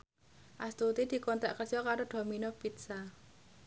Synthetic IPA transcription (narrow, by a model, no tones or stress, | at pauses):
ʔast̪ut̪id̪̥i̤kɔnt̪aʔkərd͡ʒɔkaɾoɖ̪̥o̤minɔpit̪sa